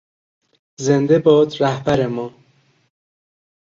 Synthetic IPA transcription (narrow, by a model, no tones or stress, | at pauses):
zend̪ebɒːd̪ɾæhbæɾemɒː